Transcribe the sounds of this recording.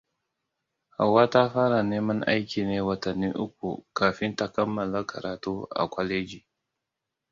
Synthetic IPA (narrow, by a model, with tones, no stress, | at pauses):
ha̰˨wːaː˦ta˦ɸaː˦ɽa˨neː˦mɐ˦ŋʔa̰˦jkʲiː˨neː˦wɐ˨tɐ˨nːiː˦ʔʊ˦k̚ʷṵ˨kaː˨ɸɪ˦nta˦kɐ˦mːɐ˨la˦kʰɐ̰˨ɾaː˨tuː˦ʔa̰˨kʷɔ˦leː˦d͡ʒiː˨